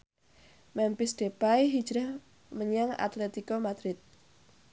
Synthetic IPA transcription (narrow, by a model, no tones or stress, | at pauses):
mɛmpɪsd̥epaiɦid̥d͡ʒɾah | məɲaŋa̰t̪let̪ikomad̪̥ɾɪt̪̚